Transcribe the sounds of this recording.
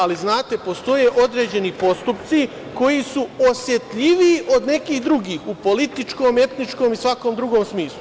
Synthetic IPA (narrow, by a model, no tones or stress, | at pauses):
aliznaːt̪e̞po̞st̪o̞jeʔo̞d̪ɾe̞ːd͡ʑe̞nipo̞st̪upt̪si | ko̞jisuosje̞t̪ʎiʋiiʔo̞d̪ne̞kiːxd̪ɾuɡiːxupo̞lit̪it͡ʃkoːme̞t̪nit͡ʃko̞ːmisʋakomd̪ɾuɡo̞ːmsmiːslˠu